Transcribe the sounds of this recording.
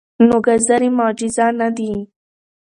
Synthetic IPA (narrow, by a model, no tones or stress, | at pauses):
noɡɐzɐɾimaːd͡ʒizanɐd̪i